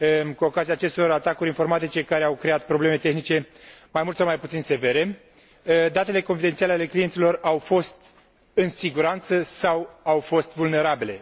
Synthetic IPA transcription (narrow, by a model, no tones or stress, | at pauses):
kuo̞kaziaːt͡ʃe̞st̪oɾat̪akuɾʲinfo̞rmat̪it͡ʃe̞kaɾe̞awkɾe̞at̪̚pɾo̞ble̞me̞t̪e̞xnit͡ʃe̞majmult̪sawmajput̪sinse̞ve̞ɾe̞ | d̪at̪e̞le̞ko̞nfid̪e̞nt̪sialeale̞klijent̪silo̞rawfo̞st̪ | ɨnsiɡuɾant̪səsawawfo̞st̪vulne̞ɾabile̞